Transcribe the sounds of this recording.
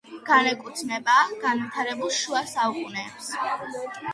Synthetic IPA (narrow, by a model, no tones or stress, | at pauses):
ɡ̥anɛkʼut̪ʰmɛbaːɡ̥anvit̪ʰaɾɛbulˠʃuasaukʼunɛːps